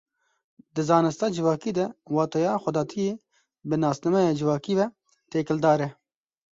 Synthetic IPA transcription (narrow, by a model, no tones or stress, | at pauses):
d̪ɨzɑːnɨst̪ɑːd͡ʒɪvɑːkiːd̪ɛwɑːt̪ɛjɑːxʷɛd̪ɑːt̪ʰijeː | bɨnɑːsnɐmɛjɑːd͡ʒɪvɑːkiːvɛ | t̪eːkɪld̪ɑːɾɛ